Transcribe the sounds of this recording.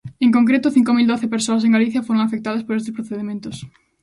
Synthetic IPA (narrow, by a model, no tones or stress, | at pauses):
eŋkoŋkɾet̪ʊθiŋkomild̪oθepeɾsoɐs̬eŋɡaliθjɐfoɾoŋafek̚t̪aðɐspoɾest̪ɪspɾoθeðemẽnt̪ʊs